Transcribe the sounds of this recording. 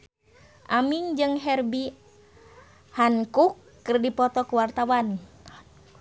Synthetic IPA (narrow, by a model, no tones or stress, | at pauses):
ʔamiŋd͡ʒɨŋɦɛrbi | haŋkukːɨrdipɔt̪ɔkuwart̪awan